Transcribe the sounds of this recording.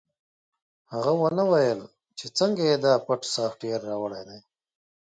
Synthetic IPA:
haɣawɐnawajəl | t͡ʃʰet͡səŋɡajed̪aːpɐʈsaːfʈijaɾːawɐɽejd̪ej

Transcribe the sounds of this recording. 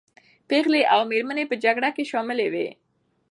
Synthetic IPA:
peɣleʔawmeɾmanepəd͡ʒaɡɽakeʃɔmɪlewḛ

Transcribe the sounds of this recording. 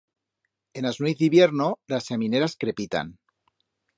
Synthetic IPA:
enaznwiθiβjeɾnolasːemineɾaskɾepit̪a̰n

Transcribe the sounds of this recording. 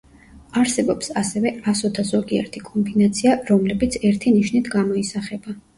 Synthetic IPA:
aɾsɛbɔpsasɛvɛasɔd̪ʰazɔɡiɛ̰ɾt̪ʰikʼɔmbinat̪sʰiaɾɔmlɛbit̪sʰɛɾt̪ʰiniʃnit̪ʰɡamɔisaχɛba

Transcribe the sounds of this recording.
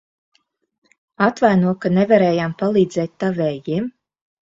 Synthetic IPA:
at̪vajnuɔkanevaɾɛːjampalˠiːd̪zɛːt̪̚ʲt̪ːavɛːjim

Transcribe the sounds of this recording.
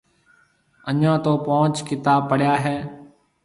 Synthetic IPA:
əɲãːt̪oːpõːt͡ʃkɪt̪aːpəɽjaːɦeː

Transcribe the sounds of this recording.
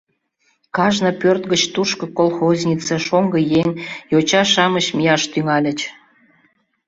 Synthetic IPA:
kɑʒnəpørt̪ɡət͡ɕt̪uʃkəkolˠxozʲnʲit͡səʃoŋɡəjeŋjot͡ɕɑʃɑməɕmijɑʃt̪yŋɑlʲət͡ɕ

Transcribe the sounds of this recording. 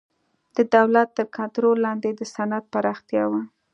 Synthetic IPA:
d̪̥əd̪awlat̪ːəɾkant̪ɾolːɑnd̪ed̪əsanat̪̚paɾɑxt̪jɑwa

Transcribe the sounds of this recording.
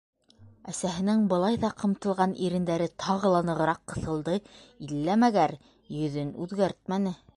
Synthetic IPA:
æsæɦɘ̆nɘŋbɤ̆lˠɑjðɑqɤ̆mt̪ɤ̆lˠʁɑnʔiɾɘ̆nd̪æɾɘt̪ʰɑʁɤ̆lˠɑnɤ̆ʁɤ̆ɾɑqːɤ̆θɤ̆lˠd̪ɤilːæmæɡæɾ | jɵ̆ðɵnʉðɡæɾt̪mænɘ

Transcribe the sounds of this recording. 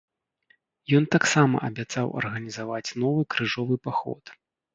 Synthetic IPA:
jɔnt̪aksamɐ̰ʔɐbʲat̪sawɐ̰rɣɐnʲizavat͡sʲn̪ɔvɨkɾɨʐɔvɨpaxɔ̰t̪

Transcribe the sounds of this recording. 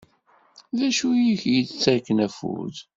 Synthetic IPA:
ðæʃujiçjət͡st͡sːæɾkːənæfṵɾð

